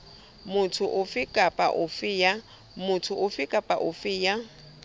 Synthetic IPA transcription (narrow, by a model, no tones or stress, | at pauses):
mʊtʰʊʔʊfɪkʼapʼa̰ʔʊfɪja | mʊtʰʊʔʊfɪkʼapʼa̰ʔʊfɪːja